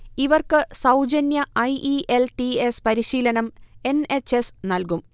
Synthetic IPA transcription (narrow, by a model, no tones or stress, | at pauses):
iʋɐrkɨsɐwd͡ʑɐnjɐʔɐjʔiʔelʈiespɐɾiɕiːlɐɳɐme̞ne̞t͡ɕːesnɐlkum